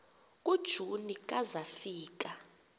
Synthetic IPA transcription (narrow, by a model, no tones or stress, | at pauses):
kʼud̥ʒ̥ʱunikʼazafiːk̬ʼa